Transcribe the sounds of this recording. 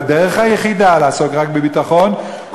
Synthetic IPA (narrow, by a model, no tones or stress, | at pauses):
deʁeχhajeχidalaaso̞kʁakbebitaχo̞n | k